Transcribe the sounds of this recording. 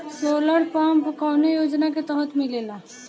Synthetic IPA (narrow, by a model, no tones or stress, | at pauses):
soləɽpampkanejod͡ʒnaket̪əɦət̪milela